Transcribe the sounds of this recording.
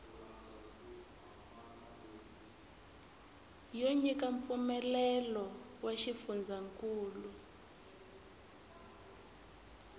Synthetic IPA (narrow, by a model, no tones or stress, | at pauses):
joɲik̬aɱp̪fumɛlɛlɔ | weʃifund͡zʱaŋkʼuːlu